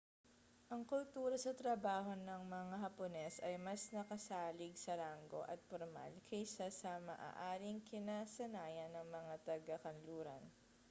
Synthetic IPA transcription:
ʔɐŋkʊlt̪uːɾɐsɐt̪ɾɐbaːɦo̞nɐŋmɐŋaɦɐponɛsɐjmɐsnɐkɐsaːlɪɡsɐlaŋɡo̞̰ʔɐ̰t̪̚poɾma̰lkʰɐjsɐsɐmɐ̰ʔa̰ːʔaːɾɪŋkɪnasɐnaːjɐnːɐŋmɐŋat̪ɐɡɐkɐnluːɾɐ̰n

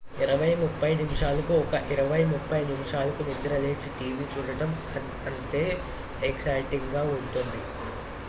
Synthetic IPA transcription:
iɾɐʋɐjmupːɐjnimʂaːlɐkuɔkɐʔiɾɐʋɐjmupʰːɐjnimʂaːlɐkunid̪ɐɾɐleːt͡ʃiʈiːʋiːt͡ʃuːɽɐʈɐm | ɐnt̪e̞ː | eksɐjʈiŋɡaːuɳʈ̪und̪i

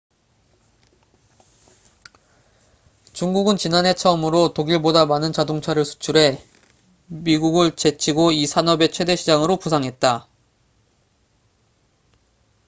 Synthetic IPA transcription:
t͡ɕuŋɡuɡɯnt͡ɕinane̞t͡ɕʰʌmɯɾotoɡiɭbodamanɯnt͡ɕadoŋt͡ɕʰaɾɯɭsʰu̥t͡ɕʰuɾe̞ | miɡuɡɯɭt͡ɕe̞t͡ɕʰiɡoisʰanʌbe̞t͡ɕʰwe̞de̞ɕʰid͡ʑaŋɯɾopusʰaŋɦe̞t̚t͈a

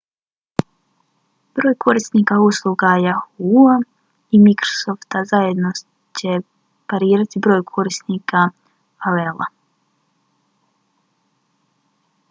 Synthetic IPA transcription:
b̥ɾo̞ːjkʰo̞ɾist̪niːkauslˠuɡajahua | imikɾosoft̪azaje̞d̪no | t͡ɕe | paɾiːɾat̪ibɾo̞ːjkʰo̞ɾist̪niːka | alelˠa̰

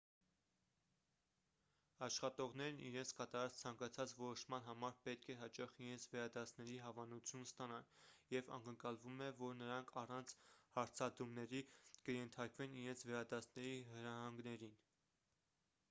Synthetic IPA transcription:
ɑʃχɑt̪ɔʁnɛɾniɾɛnt͡sʰkɑt̪ɑɾɑt͡st͡sʰɑŋkɑt͡sʰɑt͡svɔɾɔʃmɑnɦɑmɑɾpɛt̪̚kʰɛɦɑt͡ʃɑχiɾɛnt͡sʰvɛɾɑd̪ɑsʰnɛɾiɦɑvɑnut͡sʰjunst̪ɑnɑnjɛvɑ̰ŋkəŋkɑlvumɛvɔɾnəɾɑŋkʰɑrɑnt͡sʰhɑɾt͡sʰɑd̪umnɛɾikəjɛnt̪ʰɑɾkvɛniɾɛnt͡sʰvɛɾɑd̪ɑsʰnɛɾiɦəɾɑɦɑŋɡnɛɾin

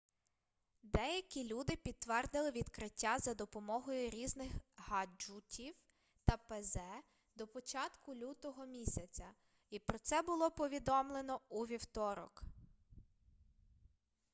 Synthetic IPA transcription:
d̪ɛjɐkʲilʲud̪ɪpʲid̪̚t̪ːʋɛrd̪ɪlˠɪʋʲid̪kɾɪtʲːazɐd̪ɔpɔmɔɦɔjʊɾʲiznɪxɦɐd͡ʒutʲʰiw | t̪ɐpezɛ | d̪ɔpɔt͡ʃɑt̪kʊlʲut̪ɔɦɔmʲisʲɐt͡sʲɐ | ipɾɔt̪sɛbʊlˠɔpɔʋʲid̪ɔmlˠenɔuʋʲiwt̪ɔɾɔ̰k

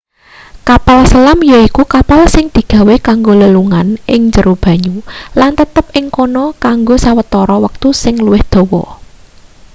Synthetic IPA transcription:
kapalsəlamjaikukapalsɪŋd̪̥i̤ɡ̥ä̤wekaŋɡoləluŋanʔɪŋɲd͡ʒəɾub̥a̤ɲulant̪ət̪əp̚ɪŋkonɔkaŋɡosawət̪ɔɾɔwək̚t̪usɪŋluwɪhd̪̥ɔ̤wɔ̰

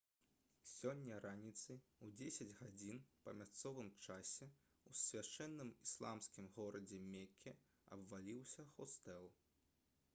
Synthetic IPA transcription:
sʲɔnʲːɐɾanʲit̪sɨwd͡zʲesʲɐd͡zʲɣad͡zʲinpɐmʲast̪sɔvɨmt͡ʂasʲɛ | usʲvʲat͡ʂɛnːɨmislˠa̰mskʲimɣɔɾɐd͡zʲɛmʲekʲʰːɛ | ɐ̰bvalʲiwsʲɐxɔst̪ɛlˠ

